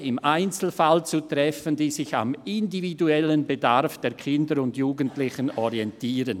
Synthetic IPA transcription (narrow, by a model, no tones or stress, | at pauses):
ɪmʔaɪnt͡sl̩falt͡sutʁɛfəndiːzɪça̰mɪndividuɛlənbedaɾfd̥eːɐkʰɪndəɾʊndjuːɡəntlɪçənɔɾiɛntiːɾən